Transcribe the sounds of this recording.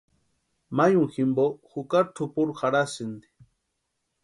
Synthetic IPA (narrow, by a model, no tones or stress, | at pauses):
majũŋximboxukaɾʈʰupuɾxaɽasind̪i̥